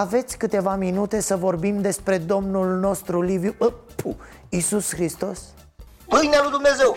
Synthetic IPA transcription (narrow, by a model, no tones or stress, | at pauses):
ave̞t̪sʲkɨt̪e̞vaminut̪e̞səvo̞rbimd̪e̞spɾe̞d̪o̞mnulno̞st̪ɾulivjuəpʰu | isusxɾist̪o̞s | mɨjnalujd̪umne̞ze̞w